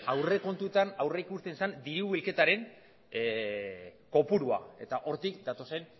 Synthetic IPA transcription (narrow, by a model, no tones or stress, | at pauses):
awre̞ko̞nt̪ut̪anawreikust̪e̞nsand̪iɾuβilke̞t̪aɾe̞ŋ | ko̞puɾua̰e̞̰t̪aʔo̞ɾt̪ikd̪at̪o̞se̞n